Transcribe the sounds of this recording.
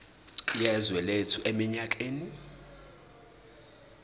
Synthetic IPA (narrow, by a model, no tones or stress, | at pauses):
jɛzwɛletʰuʔemiɲakʼeːni